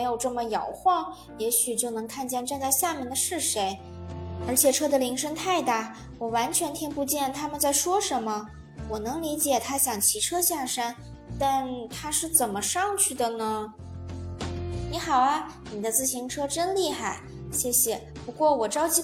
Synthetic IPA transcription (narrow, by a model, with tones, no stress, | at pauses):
e˥ɪjo˨˩ʊʈ͡ʂɤ˥˩mə˩jɑ˨˩ʊxwɑ˥˩ŋ | jɛ˧˥ɕy˨˩t͡ɕjo˥˩ʊnɤ˧˥ŋkʰa˥˧nt͡ɕjɛ˥˧nʈ͡ʂa˥˧t͡sa˥˧ɪɕja˥˧mjɛ˥˩nd̪ə˩ʂɻ̩˥˩ʂe˧˥ɪ | ə˞˧˥t͡ɕʰjɛ˨˩ʈ͡ʂʰɤ˥d̪ə˨li˧˥ŋʂə˥ŋt̪ʰa˥˧ɪt̪a˥˩ | wɔ˨˩wa˧˥nt͡ɕʰɥɛ˧˥nt̪ʰi˥ŋpu˧˥t͡ɕjɛ˥˩nt̪ʰa˥mə˨˧nt͡sa˥˩ɪʂwɔ˥ʂə˧˥nmə˧ | wɔ˨˩nɤ˧˥ŋli˧˥t͡ɕjɛ˨˩t̪ʰa˥ɕjɑ˨˩ŋt͡ɕʰi˧˥ʈ͡ʂʰɤ˥ɕjɑ˥˩ʂa˥n | t̪a˥˩nt̪ʰa˥ʂɻ̩˥˩t͡sə˨˩nmə˦ʂɑ˥˧ŋt͡ɕʰy˥˩d̪ə˩nə˩ | ni˧˥xɑ˨˩ʊɐ˦ | ni˨˩d̪ə˦t͡sɹ̩˥˩ɕi˧˥ŋʈ͡ʂʰɤ˥ʈ͡ʂə˥nli˥˩xa˥˩ɪ | ɕjɛ˥˩ɕjɛ˨˩pu˧˥kwɔ˥˩wɔ˨˩ʈ͡ʂɑ˥ʊt͡ɕi˧˥